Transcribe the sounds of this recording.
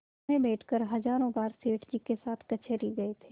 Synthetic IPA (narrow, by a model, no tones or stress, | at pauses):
ẽbeːʈʰkəɾɦɐzaːɾõbaːɾseːʈʰd͡ʒikesaːt̪ʰkɐt͡ʃʰeɾiɡɐet̪ʰeː